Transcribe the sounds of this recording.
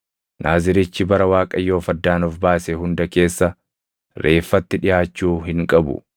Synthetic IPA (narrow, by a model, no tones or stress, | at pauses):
nʔaːzɪɾɪt͡ʃːɪbɐɾɐwaːkʼɐjːo̞ːfɐd̪ːaːnɔfbaːsɛɦʊnd̪ɐke̞ːsːɐ | ɾʔe̞ːfːɐt̪ːɪᶑɪjaːt͡ʃːuːɦɪŋkʼɐbʊ̰